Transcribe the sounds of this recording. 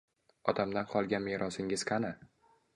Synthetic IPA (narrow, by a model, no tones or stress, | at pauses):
ɒt̪ʰamd̪anqʰɒlˠɡʲanmeɾʔɒsɪŋɪz̥qʰana